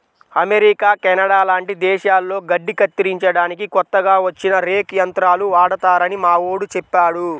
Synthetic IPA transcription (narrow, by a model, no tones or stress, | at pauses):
ɐmeɾikaːkɛnɐɽaːlaːɳʈid̪ɛːʃaːlːo̞ːɡɐɖːikɐt̪ːiɾiɲt͡ʃɐɽaːnikikɔt̪ːɐɡaːʋɐt͡ʃːinɐɾeːkjɐnt̪ɾaːluʋaːɽɐt̪aːɾɐnimaːwoːɽut͡ʃɛpːaːɽu